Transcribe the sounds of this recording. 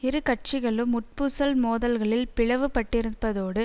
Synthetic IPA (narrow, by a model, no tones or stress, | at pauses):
ɪɾɯkɐʈ̚t͡ʃɪɣɐɭɯmːʊʈ̚pɯsɐlmoːðɐlɣɐɭɪlpɪɻɐʋɯpɐʈːɪɾɯbɐðoːɽɯ